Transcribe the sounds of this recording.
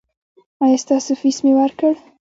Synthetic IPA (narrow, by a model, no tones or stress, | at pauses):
ɑjɑst̪ɑsofismewaɾkəɽ